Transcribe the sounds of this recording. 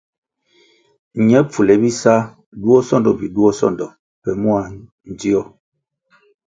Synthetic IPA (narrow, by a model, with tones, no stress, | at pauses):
ɲɛ˦p͡fu˨lɛ˨bi˦sa˦ | du˦ɔ˦sɔ˦˨ndɔ˨bi˨du˦ɔ˦sɔ̰˦˨ndɔ˨ | pɛ˨mu˦a˨ | n̩˨di˦ɔ˦